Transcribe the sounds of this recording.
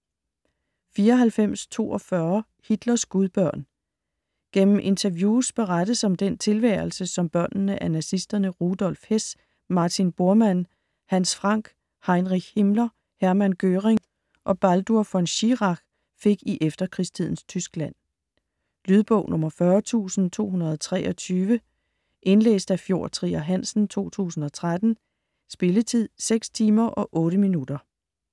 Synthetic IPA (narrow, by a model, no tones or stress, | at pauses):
fiːɐɒɦælfem̰st͡sʰo̝̰ːʔɒ̽fɶɐ | hid̥lɐsɡ̥uðˠb̥ɶɐ̰n | ɡ̥en̰m̩ʔe̝nt͡sʰɐʋjuːsb̥e̝ʁad̥əsɒ̽md̥en̰t͡sʰe̝lʋæːɐlsəsɒ̽mb̥ɶɐ̰nnəʔænæsisd̥ɐnəʁud̥ɒ̽lfhes | mɑ̈ːt͡sʰinb̥o̝ɐmæn̰ | hænsfʁɑ̈ŋ̰ɡ̥ | hɑ̈ɪnʁiɡ̥hemlɐ | hæɐmænɡ̥øːʁeŋ | ʔɒ̽b̥æld̥uɐfɒ̽nɕiʁɑ̈ɡ̥ | fe̝ɡ̥iʔefd̥ɐkʰʁist͡sʰið̞̰ˠn̩st͡sʰysɡ̥læn̰ | lyð̞ˠb̥ɔ̽ʊnʔɔ̽mɐfɶːɐt͡sʰṵːsn̩t͡sʰo̝̰ːɦunɐð̞̩ˠɒ̽t͡sʰʁɛ̰ːʔɒ̽t͡sʰyːʋə | ʔe̝nlḛːsd̥æfjo̝ɐ̰t͡sʰʁḭːæɦæn̰sn̩t͡sʰo̝̰ːt͡sʰṵːsn̩ɒ̽t͡sʰʁad̥n̩ | sb̥e̝lət͡sʰið̰ˠseɡ̥st͡sʰiːmɐʔɒ̽ʔɔ̽ːɾəminud̥ɐ